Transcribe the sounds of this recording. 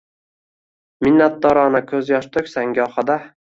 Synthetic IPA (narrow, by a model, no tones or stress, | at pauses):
mɪnːat̪̚d̪ɒɾɒnakʲʰɵzjɒʃt̪ʰɵkʲsaŋɡʲɒχɑd̪a